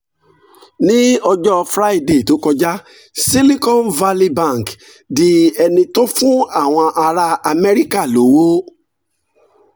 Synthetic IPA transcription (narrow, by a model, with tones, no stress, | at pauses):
nĩ˦ɔ˧d͡ʒɔ˦fɾa˦i˦de˨to˨˦kɔ˧d͡ʒa˦ | si˦li˦kɔ̃˦˨nva˧li˦bã˦˨k | di˦ɛ˧nĩ˧tõ˦fũ˦a˦˨w̃ɔ̃˧ʔa˧ɾa˧a˧mɛ˦ɾi˦ka˦˨lo˨wo˦